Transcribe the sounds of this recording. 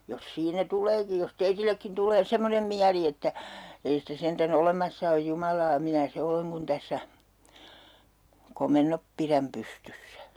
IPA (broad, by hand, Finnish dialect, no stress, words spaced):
jos siːnæ tuleːki jos teitilːekːin tuleː semːonem miæli etːæ ei sitæ sentæn olemɑsːɑ oj jumɑlɑː minæ se oleŋ kun tæsːæ komenːop piræm pystysːæ